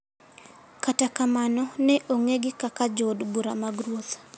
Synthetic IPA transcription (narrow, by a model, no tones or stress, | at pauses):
katakamanɔnɛʔoŋeɡɪkakad͡ʒodbuɾamaɡɾwot̪